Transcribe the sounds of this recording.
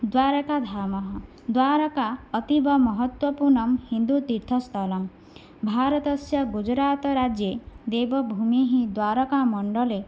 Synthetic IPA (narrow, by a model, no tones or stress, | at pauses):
d̪waɾɔkad̪ʱamɔɦɔ | d̪waɾɔkaːt̪ibʱɔmɔɦɔt̪wɔpuɾɳɔmhind̪ut̪iɾt̪ʰɔst̪ʰɔlɔm | bʱaɾɔt̪ɔsjɔɡud͡ʒɾaːt̪ɔɾad͡ʒjed̪ebɔbʱumiɦĩd̪waɾɔkamɔɳɖɔle